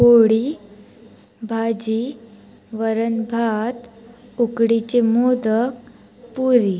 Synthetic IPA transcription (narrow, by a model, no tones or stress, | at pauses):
poɽi | bʱad͡ʑi | ʋəɾənbʱat̪ukɽit͡ɕemod̪ək | puɾi